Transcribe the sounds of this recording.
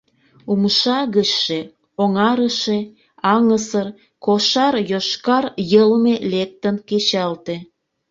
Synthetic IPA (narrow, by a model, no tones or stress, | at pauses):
umʃɑɣəʃːe | oŋɑɾəʃe | ɑŋəsər | koʃɑrjoʃkɑrjəlmelek̚t̪ənket͡ɕɑlt̪e